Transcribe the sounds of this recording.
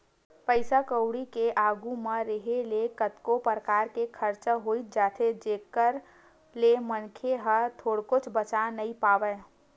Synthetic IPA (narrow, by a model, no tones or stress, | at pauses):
pəɪsakəʊɽikeʔaːɡumeɾeɦelekət̪kopəɾəkaːɾkekʰəɾt͡ʃəɦoit̪̚d͡ʒaːt̪ʰed͡ʒekəɾ | lemənkʰeɦət̪ʰoːɽkot͡ʃʰbət͡ʃanəipaːʋə